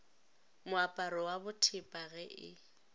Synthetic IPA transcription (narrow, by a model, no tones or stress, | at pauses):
mʊapʼaɾɔwabʊtʰɪpʼaɣɛʔɪ̰